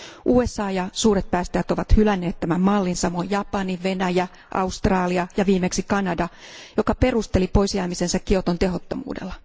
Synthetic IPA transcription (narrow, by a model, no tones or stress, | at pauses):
ʔuːe̞sːɑːjɑsuːɾet̪̚pæːst̪æjæt̪oʋɑt̪hylænːe̞ːt̪t̪ːæmæmmɑlːinsɑmojjɑpɑniʋʋe̞næjæ | ʔɑ̰ust̪rɑːliɑjɑʋiːmeksikɑnɑdɑjokɑpe̞rust̪elipo̞isjæːmisensækkːiot̪ont̪eɦo̞t̪ːomṵːdḛlːɑ